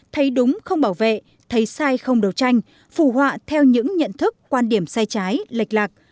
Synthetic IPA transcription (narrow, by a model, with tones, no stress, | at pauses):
t̪ʰə˨˦jɗʊ˨˦ŋ͡mxə˧wŋ͡mɓaː˧˩wvḛ˧˨ | t̪ʰə˨˦jsaː˧jxə˧wŋ͡mɗə˨˩wt͡ɕa˧jŋ̟ | fu˧˩hwa̰ː˧˨t̪ʰɛ˧wɲɨ̰˧˥ŋɲə̰˧˨nt̪ʰɨ˦˥kːwaː˧nɗi˧˩əmsaː˧jt͡ɕaː˨˦jlə˨˩jk̟̚laː˨˩k̚